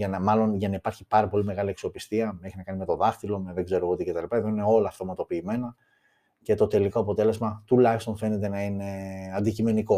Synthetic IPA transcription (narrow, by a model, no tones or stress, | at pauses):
ʝɐnɐmɐlo̞nʝɐnɐipɐɾçipɐɾɐpo̞lime̞ɣɐliɐkso̞pist̪iɐme̞çinɐkɐnime̞t̪o̞ðɐft̪ilo̞meðe̞ɡze̞ɾoot̪icet̪ɐlipɐe̞ðo̞ineo̞lɐːft̪o̞mɐt̪o̞piːme̞nɐ | ce̞t̪o̞t̪e̞liko̞ɐpo̞t̪e̞le̞zmɐt̪ulɐçist̪o̞nfe̞ne̞t̪e̞nɐine̞ɐnd̪icime̞niko̞